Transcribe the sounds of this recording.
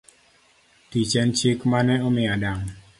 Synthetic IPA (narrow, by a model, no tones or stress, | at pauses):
tit͡ʃɛnt͡ʃikmanɛɔmɪadaŋ